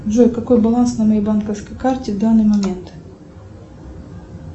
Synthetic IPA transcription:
dʐojkɐko̞jbɐlˠansnɐmɐjejbankəfskəjkartʲɪvd̪anːɨjmɐmʲe̞nt̪

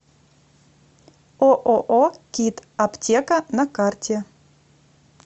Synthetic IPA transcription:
oʔoʔokʲit̪aptʲekɐnɐkartʲɛ

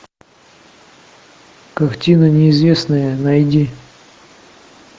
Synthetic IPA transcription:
kɐxtʲinənʲɪɪzvʲesnəjənɐjdʲi

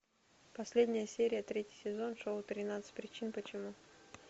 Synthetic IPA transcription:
pɐsʲlʲedʲnʲɪjəsʲeɾʲɪjət̪ɾʲetʲɪjsʲɪzo̞nʂowt̪ɾʲɪnat̪sɨ̥t̚ʲpɾʲɪt͡ɕinpət͡ɕɪmu

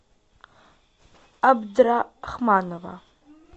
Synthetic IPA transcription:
abdraχmaːnova̰

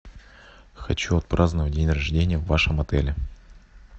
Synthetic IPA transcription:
xɐt͡ɕuɐt̪̚pɾʔaznəvədʲenʲrɐʐdʲenʲɪjəvːaʂəmɐt̪ɛlʲɪ

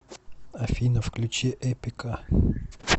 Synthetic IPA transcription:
ɐfʲinəfklʲʉt͡ɕeʔɛpʲɪkə

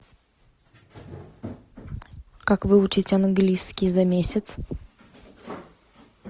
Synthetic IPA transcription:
kakvɨʊt͡ɕɪtʲɐnɡlʲiskʲɪzɐmʲesʲɪt̪s

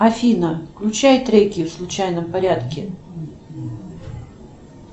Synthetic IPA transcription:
ɐfʲinəklʲʊt͡ɕajt̪ɾʲeɡʲɪjʊfslˠʊt͡ɕajnəmpɐɾʲat̪kʲɪ

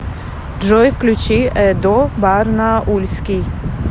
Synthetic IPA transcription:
ʐɔjfklʲut͡ʃiɛd̪ɔbaɾnaʔulʲskʲi

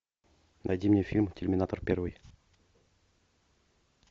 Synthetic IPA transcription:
nɐ̰jd̪ʲimnʲefʲilʲmtʲɪlʲmʲɪnat̪ərpʲervɨj

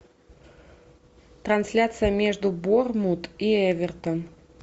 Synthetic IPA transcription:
t̪ɾɐnsʲlʲat̪sɨjəmʲeʐd̪ʊbormut̪iɛvʲɛrt̪ən

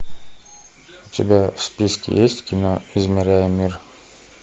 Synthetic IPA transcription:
ʊt̪ʲɪbʲafspʲiskʲɪ̰jesʲtʲkʲɪnoɪzmʲɪɾʲæjʊmʲir

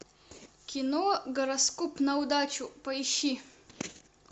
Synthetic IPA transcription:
kʲɪnoɡɐɾɐskɔpnɐud̪at͡ʃʊpɐiɕːi

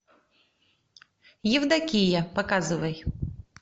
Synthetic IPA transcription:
jiwd̪ɐkʲijɐpɐkɑzʊʋɐj

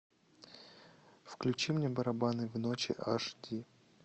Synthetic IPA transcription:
fklʲʉt͡ɕimnʲebɐɾɐbanɨvnot͡ɕɪ̰ʔaʂdʲi

